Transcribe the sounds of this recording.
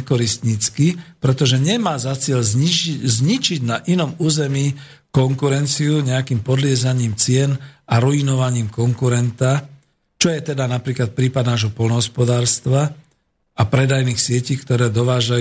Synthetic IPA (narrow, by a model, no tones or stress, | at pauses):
kɔɾist̪ɲit͡skipɾɛt̪ɔʒɛɲɛmaːzat͡sɪɛʎzizɲit͡ʃiɟnaʔinɔmuːzɛmiː | kɔŋkuɾɛnt͡siuɲɛakiːmpɔd̪lɪɛzaɲiːmt͡sɪɛnaɾuinɔʋaɲiːmkɔŋkuɾɛnt̪a | t͡ʃɔjɛt̪ɛd̪anapɾiːklat̪̚pɾiːpad̪naːʒɦɔpɔlnɔɦɔspɔd̪aːɾst̪ʋa | apɾɛd̪ajniːxsɪɛciːkt̪ɔɾɛːd̪ɔʋaːʒa